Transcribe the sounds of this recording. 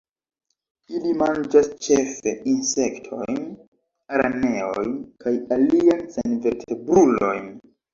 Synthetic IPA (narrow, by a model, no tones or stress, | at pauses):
ilimand͡ʒast͡ʃe̞fe̞ʔinse̞ktʰo̞̰jn | aɾa̰ne̞ojnkʰajaliansenve̞ɾtʰe̞bɾulo̞̰jn